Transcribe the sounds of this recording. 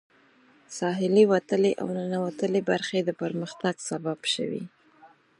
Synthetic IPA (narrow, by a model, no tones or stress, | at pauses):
sɑɦɪliwat̪əleʔa̰wnənawat̪əlebaɾxed̪əpəɾməxt̪aɡsababʃə̰wḭ